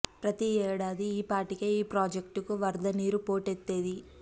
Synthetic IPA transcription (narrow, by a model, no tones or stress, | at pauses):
pɾɐt̪iɛːɽaːd̪iːpaːʈikeiːpɾaːd͡ʒekʈukuʋɐɾd̪ɐniːɾupo̞ːʈet̪ːe̞ːd̪i